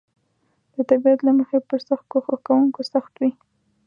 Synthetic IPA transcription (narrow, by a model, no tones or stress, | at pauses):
d̪̥ət̪abiat̪laməxepəɾsaxt̪̚koxəkawuŋkosaxt̪wi